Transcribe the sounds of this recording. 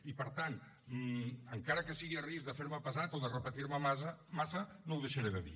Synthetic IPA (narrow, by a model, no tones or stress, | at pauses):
ipəɾt̪an | əŋkaɾəkəsiɣiərizðəfeɾməpəzat̪oðərəpət̪iɾməmasmasənowðəʃəɾeðəðḭ